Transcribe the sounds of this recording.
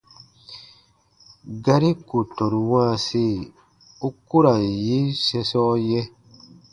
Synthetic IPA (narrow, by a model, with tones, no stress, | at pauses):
ɡa˦ɾi˦ku˨tɔ˨ɾwã˦˨se˦˨ | u˦ku˦ɾa˨ji˦sɛ˧sɔ˦jɛ˦